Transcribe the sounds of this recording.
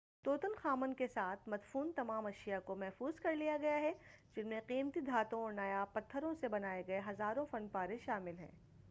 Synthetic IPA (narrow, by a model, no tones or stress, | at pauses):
t̪oːt̪ʊnxaːmənkesaːt̪ʰmɐd̪fuːnt̪ɐmaːmɐʃijakomɛɦfuːzkɐɾlijaɡɐjaɦɛd͡ʒɪnmẽqiːmt̪id̪ʱaːt̪õɔːɾnaːjapɐt̪ʰːəɾõsebɐnaːeɡɐeɦɐzaːɾõfɐnpaːɾeʃaːmɪlɦɛ̰̃ː